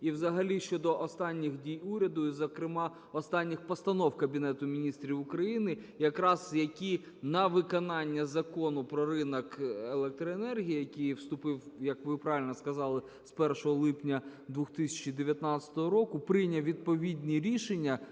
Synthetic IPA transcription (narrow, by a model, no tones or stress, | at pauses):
iwzɐɦɐlʲiʃt͡ʃɔd̪ɔʔɔst̪ɑnʲːixdʲijuɾʲɐd̪ʊizɐkɾɪmɑ | ɔst̪ɑnʲːɪxpɔst̪ɐnɔwkɐbʲinɛt̪ʊmʲinʲist̪ɾʲiʋʊkɾɐjinɪ | jɐkɾɑzjɐkʲi | nɐʋɪkɔnɑnʲːɐzɐkɔnʊpɾɔɾɪnɐkelˠɛk̚t̪ɾɔenɛrɦʲijijɐkʲijwst̪ʊpɪwjɐkʋɪpɾɑʋʲɪlʲnɔskɐzɑlˠɪ | spɛrʃɔɦɔlˠɪpnʲɐd̪ʋʊxt̪ɪsʲɐ̥t͡ʃid̪eʋʲjɐt̪nɑt͡ssʲɐ̥t̪ɔɦɔɾɔkʊpɾɪjnʲɐwʋʲid̪̚pɔʋʲid̪ʲnʲiɾʲiʃenʲːɐ